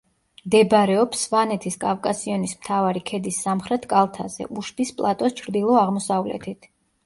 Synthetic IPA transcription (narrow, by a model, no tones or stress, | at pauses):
md̪ɛbɾɛɔpsvanɛt̪ʰiskʼavkʼasiɔnismt̪ʰavaɾikʰɛd̪isːamχɾɛt̪ʰkʼalˠt̪ʰazɛ̰ʔuʃbispʼlˠat̪ʼɔst͡ʃʰɾd̪ilˠɔaʁmɔsavlɛ̰t̪ʰit̪ʰ